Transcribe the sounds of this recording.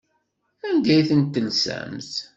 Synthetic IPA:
ænd̪æjθənt̪ːəlsæ̰mθ

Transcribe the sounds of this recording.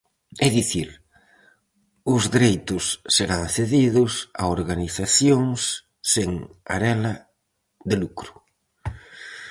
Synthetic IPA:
ɛðiθiɾ | ʊzðɾejt̪ʊsːeɾanθeðiðʊsa̰oɾɣaniθaθjoŋsː | eŋa̰ɾɛlɐ | ðɪlukɾʊ̥

